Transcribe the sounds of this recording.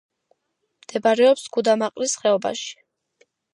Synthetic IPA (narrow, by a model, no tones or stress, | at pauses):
md̪̥ɛbaɾɛɔpsɡ̥ud̪amaqʼlisχɛɔba̰ʃi̥